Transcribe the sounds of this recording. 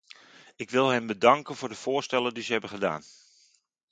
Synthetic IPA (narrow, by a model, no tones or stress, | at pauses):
ɪkʋɪlˠɦənbədɑŋkənvʊːɹdəv̥ʊːstɛləndizəɦɛbəχəda̰ːn